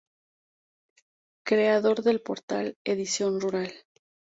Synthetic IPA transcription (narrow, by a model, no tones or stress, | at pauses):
kɾe̞aðo̞ɾðe̞lpo̞ɾt̪a̰leðisjo̞nruɾal